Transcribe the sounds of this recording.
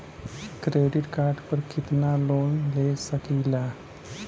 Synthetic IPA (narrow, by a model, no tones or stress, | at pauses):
kɾeːɖɪʈkaːɾɖpəɾkɪt̪naloːnlesəkiːlaː